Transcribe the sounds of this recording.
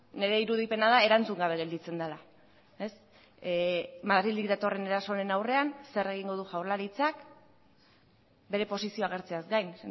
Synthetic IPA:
ne̞ɾe̞iɾuðipe̞naðae̞ɾant͡suŋɡaβ̞e̞ɣe̞ld̪it͡se̞nd̪ala | e̞s | maðɾild̪ikd̪at̪o̞re̞ne̞ɾaso̞ɾenawre̞anse̞re̞ɣiŋɡoð̞uʝawɾlaɾit͡sak | be̞ɾe̞po̞sisio̞aɣ̞e̞ɾt͡se̞azɡajn

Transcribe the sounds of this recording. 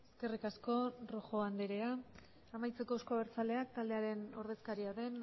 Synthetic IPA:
e̞ske̞rikasko̞roxo̞and̪eɾe̞a | amajt͡se̞ko̞sko̞βeɾt͡sale̞ak̚t̪ald̪e̞aɾe̞no̞ɾð̞e̞skaɾiaðe̞n

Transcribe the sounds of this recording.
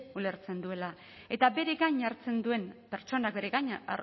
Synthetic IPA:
ule̞ɾt͡se̞nd̪ue̞la | e̞t̪abe̞ɾeɣaɲaɾt͡se̞nd̪ue̞mpe̞ɾt͡ʃo̞nak̚be̞ɾeɣaɲa̰

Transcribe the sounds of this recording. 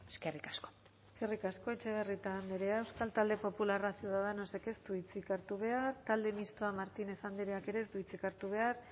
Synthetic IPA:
eskerikasko̥ | eske̞rikasko̞e̞t͡ʃe̞β̞e̞rit̪ambeɾe̞aewskalt̪ald̪e̞po̞pularasjuðaðeno̞se̞ke̞st̪uit͡sikaɾt̪uβ̞e̞aɾt̪ald̪e̞mist̪oamaɾt̪ine̞sand̪iɾeake̞ɾe̞ːst̪uit͡sikaɾt̪uβ̞e̞aɾ

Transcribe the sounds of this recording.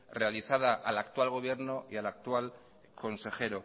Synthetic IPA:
realiθað̞aʔalakt̪walɣ̞o̞β̞je̞ɾnoialak̚t̪wal | kʰo̞nse̞xe̞ɾo

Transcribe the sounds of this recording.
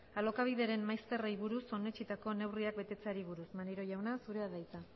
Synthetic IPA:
alo̞kaβ̞iðeɾe̞mmːajst̪e̞rejβ̞uɾuso̞ne̞t͡ʃit̪ako̞ne̞wriak̚be̞t̪e̞t͡se̞aɾiβ̞uɾusmaniɾo̞ʝawnasuɾe̞aðajt͡sa

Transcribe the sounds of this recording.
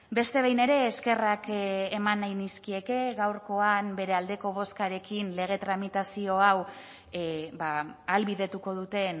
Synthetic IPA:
be̞st̪e̞βejne̞ɾe̞ːske̞rakːmanːajniskie̞ke̞ɣawɾko̞ambe̞ɾe̞ald̪e̞ko̞β̞o̞skaɾe̞kinle̞ɣ̞e̞t̪ɾamit̪asio̞aw | baalβiðe̞t̪uko̞ð̞ut̪e̞n

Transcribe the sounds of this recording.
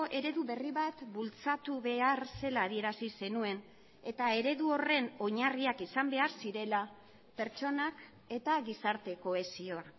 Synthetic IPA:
ʔe̞ɾe̞ðuβe̞riβat̪bult͡sat̪uβe̞aɾse̞laːðie̞ɾasise̞nue̞n | e̞t̪ae̞ɾe̞ðuo̞re̞no̞ɲariakisambe̞aɾsiɾe̞la | pe̞ɾt͡ʃo̞nak | e̞t̪aɣisaɾt̪e̞ko̞e̞sioa

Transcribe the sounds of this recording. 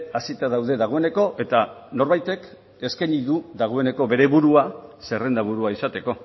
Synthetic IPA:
asit̪aðawðe̞ðaɣ̞o̞e̞ne̞ko̞ʔe̞t̪ano̞ɾβajt̪e̞k | e̞ske̞niðuðaɣ̞o̞e̞ne̞ko̞βe̞ɾe̞βuɾuase̞re̞nd̪aβuɾuaisat̪e̞ko̞

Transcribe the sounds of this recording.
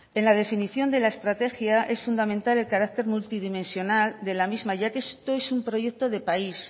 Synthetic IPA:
e̞nlað̞e̞finiθjo̞nd̪e̞laest̪ɾat̪e̞xjaʔe̞sfund̪amẽnt̪ale̞lkaɾak̚t̪e̞ɾmult̪ið̞imẽ̞nsjo̞nald̪e̞lamizmaʝakest̪o̞e̞sumpɾo̞ʝe̞k̚t̪o̞ð̞e̞pais

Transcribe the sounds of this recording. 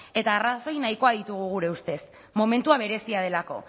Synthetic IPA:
e̞t̪aːraso̞jnajko̞aðit̪uɣ̞uɣ̞uɾe̞ust̪e̞s | mo̞me̞nt̪uaβ̞e̞ɾe̞siað̞e̞lako̞̰

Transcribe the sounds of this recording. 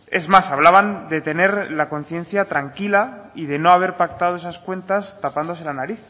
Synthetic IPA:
e̞zmasaβ̞laβ̞and̪e̞t̪e̞ne̞ɾlako̞n̟θje̞n̟θjat̪ɾaŋkilaið̞e̞no̞aβ̞e̞ɾpakt̪að̞oe̞saskwe̞nt̪ast̪apand̪o̞se̞lanaɾiθ

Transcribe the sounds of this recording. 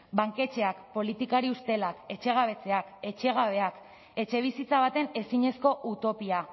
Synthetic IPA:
baŋke̞t͡ʃe̞akpo̞lit̪ikaɾiust̪e̞lake̞t͡ʃe̞ɣ̞aβe̞t͡se̞ake̞t͡ʃe̞ɣ̞aβ̞e̞ak | e̞t͡ʃe̞β̞isit͡saβ̞at̪e̞ne̞siɲe̞sko̞ʔut̪o̞pia

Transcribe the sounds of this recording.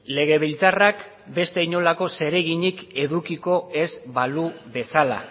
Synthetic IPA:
le̞ɣ̞e̞βilt͡sarak | be̞st̪eiɲo̞lako̞se̞ɾe̞ɣ̞iɲike̞ðukiko̞e̞zbaluβe̞sala̰

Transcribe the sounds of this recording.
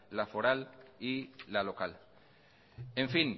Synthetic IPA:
lafoɾalilalokal | ẽɱfin

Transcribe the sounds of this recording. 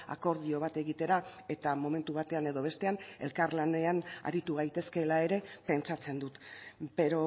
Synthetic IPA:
a̰ko̞ɾð̞io̞β̞at̪e̞ɣit̪e̞ɾae̞t̪amo̞me̞nt̪uβ̞at̪e̞ane̞ðo̞β̞e̞st̪e̞ane̞̰lkaɾlane̞ana̰ɾit̪uɣajt̪e̞ske̞lae̞ɾe̞pe̞nt͡sat͡se̞nd̪ut̪be̞ɾo

